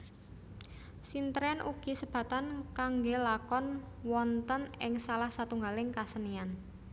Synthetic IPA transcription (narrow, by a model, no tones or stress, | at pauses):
sint̪ɾɛnʔuɡ̥i̤səb̥ä̤t̪ankaŋɡelakɔn | wɔnt̪ənɪŋsalahsat̪uŋɡalɪŋkasənian